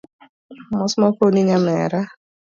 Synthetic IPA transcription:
mɔsmafoniɲamɛ̰ɾa

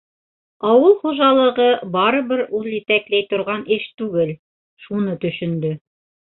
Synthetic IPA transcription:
ɑwɤlˠχoʒɑlˠɤ̆ʁɤbɑɾɤ̆βɘɾʔuðˠjɘ̆t̪æklæjt̪ŏɾʁɑnɘʃt̪ʉɡɘl | ʃunɤt̪ɵ̆ʃɵ̆nd̪ɵ

